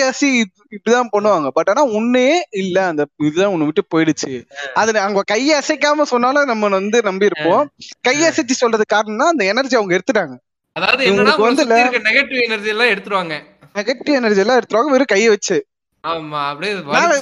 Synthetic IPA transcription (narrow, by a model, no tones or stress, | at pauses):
aːsi | ɪpːɽɪt̪ãːpɐɳːɯʋaːŋɡɐpɐʈːaːnːaːʊnːɯjeːɪlːɛɐnd̪ɐɪðɯt̪ãːʊnːɯʋɪʈːɯpoːjɪɽɯt͡ʃːɯɐðɯɐŋɡɐkɐjeɐsɐk̬ːaːmɐsɔnːaːlɐnɐmːɐɐnd̪ɯnɐmbiɪɾɯpːõːkɐjɐsɛt͡ʃːisɔlrɐðɯkaːɾɐɳɐmnːaːɐnd̪ɐɛnɐɾd͡ʒiɐʋɐŋɡɐɛɽɯt̪ːɯʈːaːŋɡɐ | ɐðaːʋɐðɯŋːɡɐɭɐkɯʋnd̪ɯɪɪlːɐɾɯkːɐnɛɣɐʈːiɛnɐɾd͡ʒijɛlːãːɛɽɯt̪ːɯɾɯʋaːŋɡɐ | nɛɣɐʈːiɛnɐɾd͡ʒijɛlːãːɛɽɯt̪ːɾɯʋaːŋɡɐʋɛɾɯkɐjːɐʋɐt͡ʃːɯ | aːmaːɐpːɐɽiɐðɯnaːlɐ